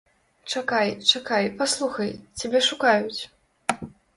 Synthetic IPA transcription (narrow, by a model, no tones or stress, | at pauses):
t͡ʂakajt͡ʂakajpaslˠuxɐjt͡sʲabʲɛʂukajut͡sʲ